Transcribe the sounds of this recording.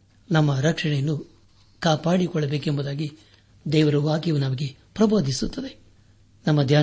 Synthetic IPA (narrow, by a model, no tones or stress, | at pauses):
nɐmːɐɾɐkʂɐɳɛjɐnːu | kaːpaːɽikɔɭːɐbeːkembud̪aːɡi | d̪ɛːʋɐɾuʋaːkjɐʋunɐmɐɡepɾɐbo̞ːd̪ʱisut̪ːɐd̪e̞ | nɐmːɐd̪ʱjaː